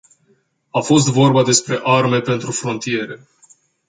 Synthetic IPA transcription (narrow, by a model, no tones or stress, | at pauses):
afo̞s̬t̪vo̞rbad̪e̞spɾe̞ʔarme̞pe̞nt̪ɾufɾo̞nt̪ie̞ɾe̞